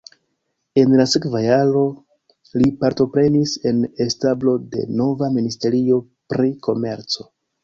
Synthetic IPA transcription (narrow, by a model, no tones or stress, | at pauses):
e̞nlase̞kvajaɾo̞ | lipaɾto̞pɾe̞nise̞ne̞stablo̞de̞̰no̞vaministe̞ɾio̞ | pɾiko̞me̞̰ɾt͡so̞